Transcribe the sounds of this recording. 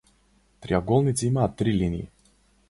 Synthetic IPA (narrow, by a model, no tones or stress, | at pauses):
t̪ɾʲiaɡolˠnʲɪt̪t͡s̪ʲimat̪ːɾʲilʲinʲɪ̰ɪ̰